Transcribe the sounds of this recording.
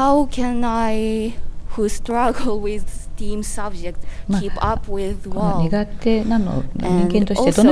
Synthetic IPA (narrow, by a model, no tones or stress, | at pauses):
haʊkʰɛ̃naɪ | hustɹʌɡl̩ˠwɪðstĩmsʌb̚d͡ʒɛk̚tmʰipʌpwɪðwɔnʲiɡat̪ːenãnːo̰ɲ̃ĩŋnɡẽnt̪oɕtt̪ed̪on